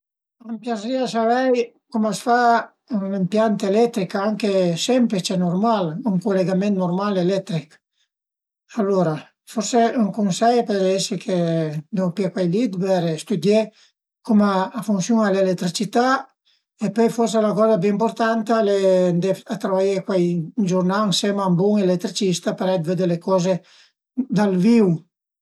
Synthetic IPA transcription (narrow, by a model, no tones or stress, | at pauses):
ampjasiasavɛj | kumasfa | unempjant̪aelɛt̪ːɾikaŋkesɛmpɾet͡ʃɛnoɾmaluŋkuleɡamẽnt̪noɾmalelɛt̪ɾik | alːoɾa | foɾseuŋkunsɛjpeɾɛsekʰed̪opiakwajlid̪bɛɾst̪ud̪je | kumaːfunsjuŋalelet̪ːɾit͡ʃit̪a | epɔjfɔrs̬elakɔzabeimpoɾt̪ant̪alɛnd̪eat̪ɾavajekwajd͡ʒuɾnaŋsɛmambuŋelet̪ːɾit͡ʃist̪apeɾɛd̪ved̪elekɔze | d̪alviw